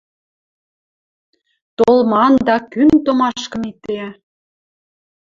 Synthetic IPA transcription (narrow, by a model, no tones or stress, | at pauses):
t̪olmɑnd̪ɑkynt̪omɑʃkɤ̆mit̪e